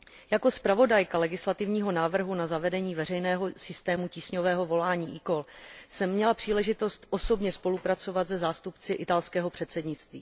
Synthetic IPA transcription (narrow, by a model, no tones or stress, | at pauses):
jako̞spɾavo̞dajkalɛɡɪslat̪ɪvɲiːɦo̞naːvr̩ɦunazavɛdɛɲiːvɛrɛjnɛːɦo̞sɪst̪ɛːmuciːsɲovɛːɦo̞vo̞laːɲiːʔɪko̞lsɛmːɲɛlapr̥iːlɛʒɪt̪o̞st̪ʔo̞so̞bɲɛspo̞lupɾat͡so̞vat̪zɛzaːst̪upt͡sɪʔɪt̪alskɛːɦo̞pr̝̥ɛt̪sɛdɲɪt͡st̪viː